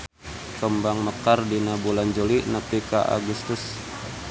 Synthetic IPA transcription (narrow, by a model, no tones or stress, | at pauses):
kəmbaŋməkardinabuland͡ʒolinəpikaʔa̰ɡust̪ʊs